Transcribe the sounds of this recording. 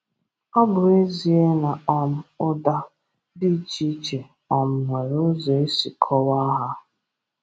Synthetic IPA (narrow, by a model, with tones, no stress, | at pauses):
ɔ˦bʊ˨e˦zi˨e˦na˨ɔ˦m̩˦ʊ˦da˦ | di˦t͡ʃi˦t͡ʃe˨ | ɔ˨m̩˨ŋʷe˨ɾo˦zɔ˨e˦si˨kʰɔ˦wa˦ɦa˦